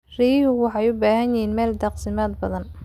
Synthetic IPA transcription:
riːjhʊwɑħɑjʊbaːhɐnjɪhiːnmɛːld̪ɑqsɪmaːd̪̚bɐðɐn

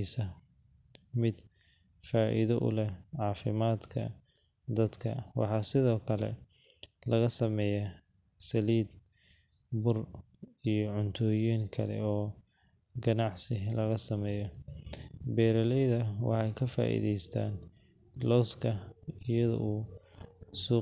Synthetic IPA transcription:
sɐ | mɪd̪ | faːʔɪ̰ðɐʔʊ̰lɛʕɑːfɪmaːd̪kʰɐ̰ | d̪ɐd̪kʰɐ̰wɑ̰ħɑːsɪðɔːkʰɐlɛ̰ | lɐɣɐsɐmɛːjɐ | sɐliːd̪̚ | bʊrijɔʕʊnt̪ʰɔːjiːŋkʰɐ̰lɛ̰ɔː | ɡɐnɑʕsɪlɐɣɐsɐmɛːjɔ | bɛːɾɐlɛjðɐwʔɑ̰ħɑjkʰɐfa̰ːʔḭðɛjst̪ʰa̰ːn | lɔːskʰɐɪjɐðɔ̰ʔuː | suː

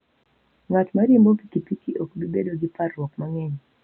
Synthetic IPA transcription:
ŋatmaɾimbopikipikiʔokbibedoɡiparwɔkmaŋɛɲ

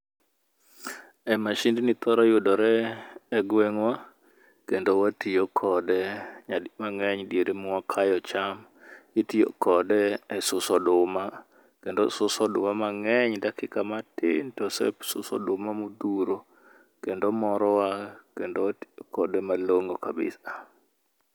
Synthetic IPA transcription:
ɛmaʃindnit̪ɔɾɔjʊdɔɾɛɛɡwɛŋwa | kendowatijokʰɔdɛɲamaŋɛɲdeɾemʊɔkʰajɔt͡ʃam | itio̰kɔdɛːsʊsɔdʊma | kendosʊsɔdʊ̰mamaŋɛɲdakɪkamatɪ̰ntɔsɛ̰sʊsɔ̰dʊmamud̪uɾo | kendomɔɾɔwakendowatokɔdɛmaloŋokabɪ̰sa

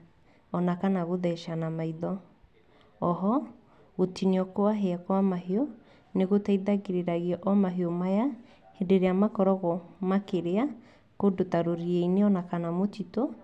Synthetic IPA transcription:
ɔnakanaɣoðɛʃanamaiðɔː | ɦɔ | ɣotiniɔkoaɦeakwamaɦeɔ | neɣotaiðaɣeɾeɾaɣiɔʔɔmaɦiɔmaja | hendeɾeamakɔɾɔɣɔmakeɾea | kodotaɾoɾieineɔnakanamotitɔ

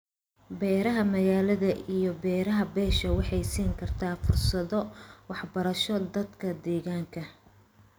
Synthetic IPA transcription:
bɛːɾɐɦɐmɐɣaːlɐðɐʔijɔbɛːɾɐɦɐbɛːʃɐwɑħɑjsiːŋkʰɐrt̪ʰaːfʊrsɐðɔwɑħbɐɾɐʃɔd̪ɐd̪kʰɐd̪ɛːɣaːŋkʰɐ

